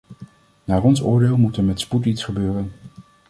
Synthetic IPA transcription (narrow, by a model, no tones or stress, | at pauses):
naːrɔnsʊːɹdeːlˠmutəɹmɛtsputitsχəbøːrən